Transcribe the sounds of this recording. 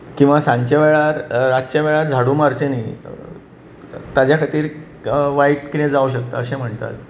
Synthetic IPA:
kĩw̃ʋasãɲt͡ɕaʋɛɭaɾɾat͡ɕaʋɛɭaɾd͡zʱaɽuːmaɾt͡ɕeni | t̪ad͡ʑjakʰat̪iːɾ | ʋaiʈkiɾẽd͡zauɕək̚t̪a̰əɕẽm̤əɳt̪a̰t̪

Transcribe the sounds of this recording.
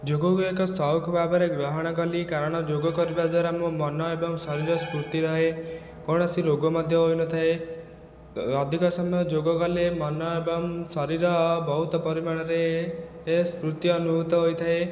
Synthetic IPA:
d͡ʒoɡɔkekɔsɔwkʰbʱabɔɾeɡɾɔɦɔɽ̃ɔkɔlikaɾɔɽ̃ɔd͡ʒoɡɔkɔɾibad̪waɾamũmɔnɔebɔŋsɔɾiɾɔskɾut̪iɾɔɦe | kɔɽ̃ɔsiɾoɡɔmɔd̪ʱjɔɦojnɔt̪ʰae | ɔd̪ʱikɔsɔmɔjɔd͡ʒoɡɔkɔlemɔnɔebɔŋsɔɾiɾɔbɔɦut̪ɔpɔɾimaɽ̃ɔɾeː | skɾut̪iɔnuɦut̪ɔɦojt̪ʰae

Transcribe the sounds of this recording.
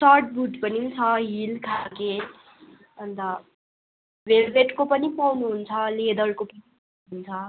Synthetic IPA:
sarʈ̚buʈpʌnit͡sʰʌɦilkʰake | ʌnd̪a | belbeʈkopʌnipawnuɦunt͡sʰʌled̪ʌɾkopʌnip | auɦunt͡sʰʌ

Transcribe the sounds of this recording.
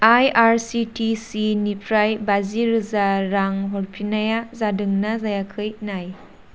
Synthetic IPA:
ajaɾsitisinipʰɾajbaziɾɯzaɾaŋɦɔɾpʰinajazadɯŋnazajakʰɯjnaj

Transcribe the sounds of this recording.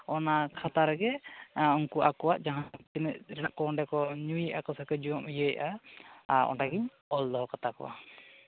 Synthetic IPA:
ɔnakʰat̪aɾɡɛɔŋkuʔakɔwaʔd͡ʒaɦãt̪inəʔɾɛnaʔkɔnɖɛkɔɲuiʔakɔsakəd͡ʒuɔmijəj̰ʔa | ɔ̰nʈaɡiɲ | ɔld̪ɔɦɔkat̪akɔ̰wa̰

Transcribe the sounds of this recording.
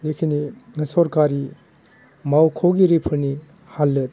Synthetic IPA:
zekʰiniŋɐsɔɾkaɾi | mawkʰɔwɡiɾipʰɯɾni | halːɯt̚

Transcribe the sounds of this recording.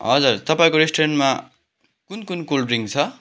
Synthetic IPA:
ɦʌ̰d͡zurt̪ʌpaĩkoɾesʈoɾenʈma | kunkunkulɖɾiŋt͡sʰʌ

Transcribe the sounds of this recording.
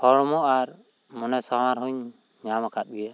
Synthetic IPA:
hʰɔɽmɔʔaɾmɔnɛsamaɾɦuɲɲamakʰat̪̚ˀbija

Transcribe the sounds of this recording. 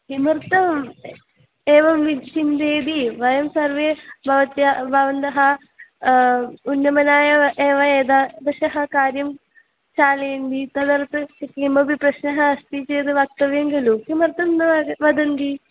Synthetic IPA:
kimɐɾt̪ɐ | eːʋɐmʋit͡ʃind̪eːd̪iʋɐjɐmsɐrʋebʱɐʋɐt̪jɐbʱɐʋɐnd̪ɐɦɐ | unjɐmɐnaːjɐʔeːʋɐeːd̪aːd̪ɐʃɐɦɐkaːɾjɐm | ɕaːleːnd̪it̪ɐd̪ɐɾt̪ɨɐkimbɐbʱiprɐɕnɐɦɐɐst̪it͡ʃeːd̪ɨʋɐk̚t̪ɐʋjɐŋɡɐlukimɐrt̪ɐmnːɐʋɐʋɐd̪ɐnd̪i

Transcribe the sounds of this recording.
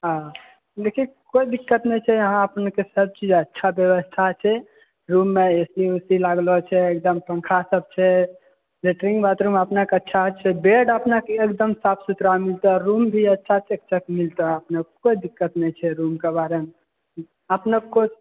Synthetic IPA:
ɦã | lekʰikoid̪ikːət̪nɛjt͡ʃʰɛjəɦãəpnekesəb̚t͡ʃid͡ʒətːʃʰabjəʋəst̪ʰat͡ʃʰɛ | ɾumːeesliusilaɡlɔt͡ʃʰɛek̚d̪əmpə̃ŋkʰasəb̚t͡ʃʰɛ | leʈɾĩŋɡbat̪ɾuməpnakeətːʃʰaɦt͡ʃʰɛbeɖəpnakeːkd̪əmsapʰsut̪ɾamilt̪əɾumbʱiətːʃʰat͡ʃek̚t͡ʃʰəkmilt̪əəpnəkoid̪ikːət̪nɛt͡ʃʰɛɾumkebaɾeme | əpnəko

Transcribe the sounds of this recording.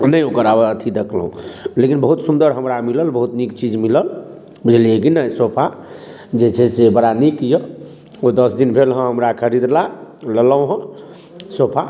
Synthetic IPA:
nəjokəɾabəət̪ʰid̪ekʰlɦṵ̃lekinbəɦut̪sund̪əɾɦəmɾamiləlbəɦut̪nikt͡ʃid͡ʒmiləl | bud͡ʒʱliekinəjsopʰa | d͡ʒet͡ʃʰɛsebəɽanikjə | od̪əsd̪inpelɦə̃ɦəmɾakʰəɾid̪lalələwɦə̃ | sopʰa

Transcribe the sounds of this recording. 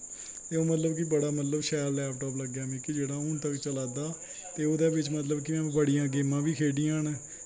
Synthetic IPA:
t̪eːoːmət̪ləbkibəɽaːmət̪ləbʃɛːllɛːpʰʈɔːpləɡjaːmĩːkid͡ʒeːɽaːʊnt̪əkt͡ʃəlaːd̪aː | t̪eːoːd̪aːbɪt͡ʃmət̪ləbkimɛ̃ːbəɽijãːɡeːmãːʋiːkʰeːɖijãːnː

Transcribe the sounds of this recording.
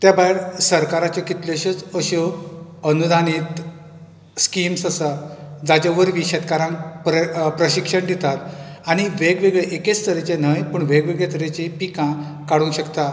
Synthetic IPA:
t̪jabaɦeɾsəɾkaɾat͡ɕekit̪leɕət͡səɕɔənud̪ʱañiːt̪ | skimsəsad͡zad͡ʑaʋəɾʋiɕet̪kaɾãŋkpɾəpɾəɕikʂəɳd̪it̪at̪aɽ̃iʋeɡʋeɡɭeʔeket͡sst̪ʰəɾet͡ɕen̤əjpəɳʋeɡʋeɡɭet̪əɾet͡ɕẽpikã | kaɽũːnɕəkt̪a

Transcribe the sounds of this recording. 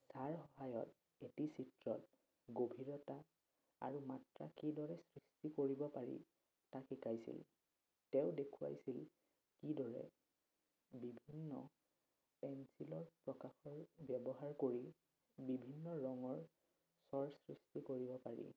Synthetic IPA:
saɹxɔɦajɔ̰t | etisitɹɔt | ɡobʱiɹɔta | a̰ɹumatɹa̰kidɔɹɛsɹistikoɹibɔpaɹḭ | takʰikajsḭl | tɛʊdekʰua̰jsil | kidɔɹɛ̰ | bibʱinːɔ̰ | pɛnsilɔɹpɹɔkaxɔɹbjɛbɔɦaɹkoɹi | bibʱinːɔɹɔŋɔɹ | sɔɹsɹistikoɹibɔpaɹḭ

